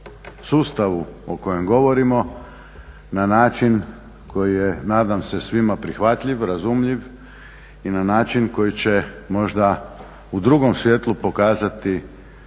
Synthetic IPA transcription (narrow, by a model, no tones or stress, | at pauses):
suːst̪aʋuoko̞je̞mɡo̞ʋo̞ɾimo̞ | nanaːt͡ʃin | kʰo̞jijenaːd̪amse̞sʋimapɾixʋat̪ʎiʋɾazumʎiʋ | inanaːt͡ʃinko̞jit͡ɕe̞mo̞ʒd̪a | ud̪ɾuɡo̞msʋjet̪lˠupo̞kaːzat̪i